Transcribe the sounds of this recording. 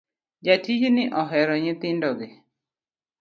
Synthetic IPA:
d͡ʒatid͡ʒnɪʔɔɦɛɾɔɲɪt̪ɪndɔɡɪ

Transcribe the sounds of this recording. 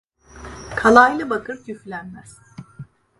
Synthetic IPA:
kʰalˠajlˠɯbakʰɯɾt̪ʰyflʲænmæz̥

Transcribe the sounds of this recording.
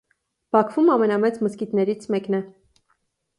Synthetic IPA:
b̥ɑkʰvumɑmɛnɑmɛt͡sməskit̪nɛɾit͡sʰmɛknɛ

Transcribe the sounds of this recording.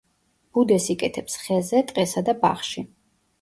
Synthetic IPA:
b̥ud̪ɛsikʼɛt̪ʰɛpsχɛzɛt̪ʼqʼɛsad̪aba̰χʃi

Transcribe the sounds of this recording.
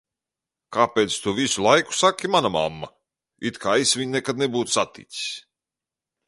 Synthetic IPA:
kaːpeːt̪st̪uvisulˠajku̥sakʲːimanama̰mːa̰ | it̪kʰaːjsvʲiɲʲnɛkad̪̚nɛbuːt̪ssat̪ḭsʲi̥sʲ

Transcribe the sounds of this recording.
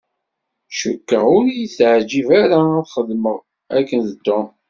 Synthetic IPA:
ʃəkːəʁʊɾjiθʕd͡ʒivæɾaɾχəðməʁ | ækːənðət̪ːo

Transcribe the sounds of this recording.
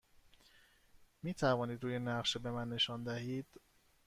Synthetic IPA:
miːt̪ʰævɒːniːd̪ɾuːjenæʁʃebe̞mænːe̞ʃɒːnd̪æhiːd̪̥

